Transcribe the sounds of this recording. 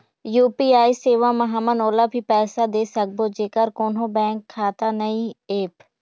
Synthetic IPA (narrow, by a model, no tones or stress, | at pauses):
juːpiːaːiːseːʋãːməɦaːmənoːlaːpiːpɛːsaːd̪eːsək̚boːd͡ʒeːkəɾkoːnõːbɛ̃ːŋkʰːaːt̪aːnəĩːeːp